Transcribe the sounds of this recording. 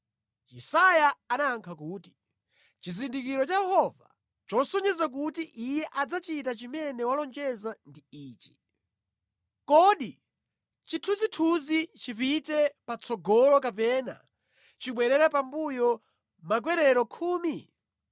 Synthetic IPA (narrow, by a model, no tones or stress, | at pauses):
isajaːnaːŋkʰakuːti̥ | t͡ʃizindikiɾɔt͡ʃajɛhɔva̰ | t͡ʃɔsɔɲɛzak̬utiʔijɛʔad͡zat͡ʃitat͡ʃimɛnɛwalɔnd͡ʒɛzandiiːt͡ʃi̥ | kɔɗi | t͡ʃitʰuzitʰuzit͡ʃipitɛpat͡sʰɔɡɔlɔkapɛna̰ | t͡ʃiɓwɛɾɛɾapambujɔ | mak̬wɛɾɛɾɔkʰuːmi